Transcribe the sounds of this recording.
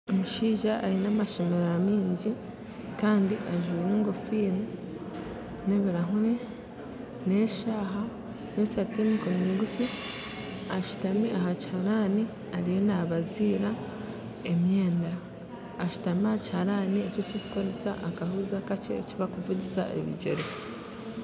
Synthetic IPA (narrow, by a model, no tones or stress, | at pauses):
omuʃiːʒaʔːɾinaːmaʃo̞meɾoamiːɲɟi | kaːndiʔaʒwiːneːŋɡofiːni | ne̞βiɾaɦuɾe | neʃaːɦa | nesatemikomiːɡufi | aʃu̥tamiʔaɦachaɾani | aɾije̞naβaziːɾa | e̞mje̞ːndaː | ʃu̥tamiaacihaɾaːniecocicu̥ko̞ɾesaʔakahuzakat͡ʃḛːciβakuvuɟisa̰ʔḛβḭɟḛɾe